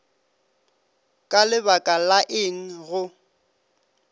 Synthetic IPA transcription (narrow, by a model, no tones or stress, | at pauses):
kʼalɪbakʼalaʔɪŋ̩ɣʊ